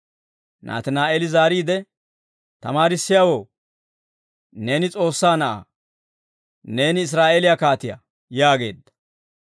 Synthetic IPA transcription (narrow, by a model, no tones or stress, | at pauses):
nʔa̰ːt̪ɛnaːʔelɪzaːɾiːd̪ɛ | t̪ɐmaːɾɪsːɪjawo̞ː | ne̞ːnɪt͡sʼo̞ːsːaːnɐʔa̰ | ne̞ːnɪːs̬ɾaːʔelɪjakaːt̪ɪja̰ | jaːɡe̞̰ːd̪ːɐ̥